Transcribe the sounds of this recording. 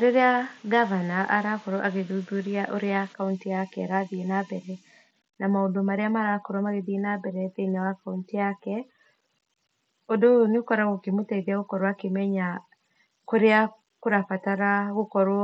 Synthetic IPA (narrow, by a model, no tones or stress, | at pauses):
ɾeɾeaɡavanaʔaɾakɔɾɔʔaɣeðuðuɾiaʔoɾeakauntiakɛaɾaðienabɛɾɛ | namaondomaɾeamaɾakoɾwamaɣeðienabɛɾɛðeinawakauntiakɛ | odoneokɔɾaɣokemotɛiðiaɣokɔɾwakemɛɲa | koɾea | koɾafataɾaɣokɔɾwɔ